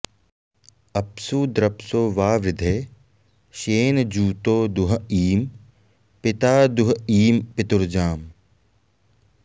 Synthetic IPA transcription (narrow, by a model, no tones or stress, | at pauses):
ɐpsuːd̪ɾɐpsoːʋaːʋɾɪd̪ʱeː | ʃeːnd͡ʒuːt̪oːd̪ʊɦiːm | pɪt̪aːd̪ʊɦiːmpɪt̪ʊɾd͡ʒaːm